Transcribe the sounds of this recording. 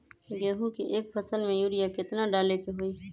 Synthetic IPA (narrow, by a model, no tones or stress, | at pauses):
ɡeːɦũkiʔeːk̚fʰəsəlmẽjuːɾɪjakɪt̪naɖaːlekeɦoiː